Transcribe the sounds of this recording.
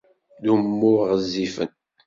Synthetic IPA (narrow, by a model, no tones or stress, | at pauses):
ðumːʊʁəzːifə̰n